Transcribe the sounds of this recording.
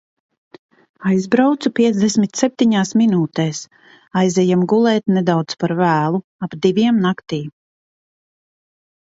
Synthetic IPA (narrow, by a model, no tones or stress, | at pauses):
ajzbɾawt̪supʲiɛzd̪ɛsmit̪sɛp̚t̪iɲaːsminuːt̪ɛːs | ajzɛjamɡulˠɛːt̪nɛd̪awt̪spaɾvæːlˠu | abd̪ivʲiɛmnakt̪iː